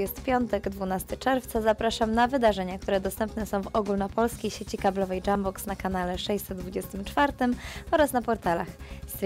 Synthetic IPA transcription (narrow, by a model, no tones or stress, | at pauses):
ɛst̪pʲjɔnt̪ɛɡd̪vunast̪ɘt͡ʂɛɾft̪sazapɾaʂamnavɘd̪aʐɛɲakt̪uɾɛd̪ɔst̪ɛmpnɛsɔ̃w̃vɔɡulnɔpɔlskʲejɕet͡ɕikablɔvɛjd͡ʐambɔksnakanalɛʂɛjsɛd̪̚d̪vud͡ʑɛst̪ɘmt͡ʂfaɾt̪ɘmɔɾasnapɔɾt̪ala̰xs